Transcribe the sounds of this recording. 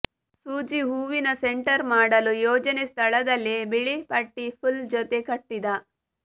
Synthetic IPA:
suːd͡ʒiɦuːʋinɐseɳʈɐɾmaːɽɐlujɔːd͡ʒɐnest̪ʰɐɭɐd̪ɐlːibiɭipɐʈːipʰuld͡ʒot̪ekɐʈːid̪ɐ

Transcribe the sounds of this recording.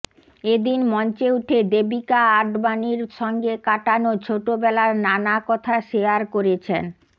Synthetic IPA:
ed̪inmɔnt͡ɕeuʈʰed̪ebikaaɖbaniɾʃɔŋɡekaʈanot͡ɕʰoʈobɛlaɾnanakɔt̪ʰaʃeaɾkoɾet͡ɕʰen

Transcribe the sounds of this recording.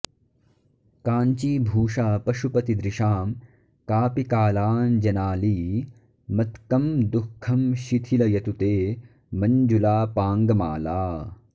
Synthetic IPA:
kaːnt͡ʃiːbʱuːʂaːpɐʃupɐt̪id̪ɾiʃaːm | kaːpikaːlaːnd͡ʒɐnaːliː | mɐt̪kɐmd̪ukʰːɐmʃit̪ʰilɐjɐt̪ut̪eː | mɐɲd͡ʒulaːpaːŋɡɐmaːlaː

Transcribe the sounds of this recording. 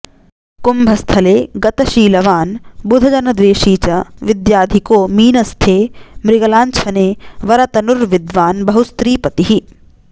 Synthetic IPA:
kumbʱɐst̪ʰɐleːɡɐt̪ɐʃiːlɐʋaːnbud̪ʱɐd͡ʒɐnɐd̪ʋeːʃiːt͡ʃɐʋid̪jaːd̪ʱikoːmiːnɐst̪ʰeːmɾɪɡɐlaːnt͡ʃʰɐneːʋɐɾɐt̪ɐnuɾʋid̪ʋaːnbɐɦust̪ɾiːpɐt̪iɦi

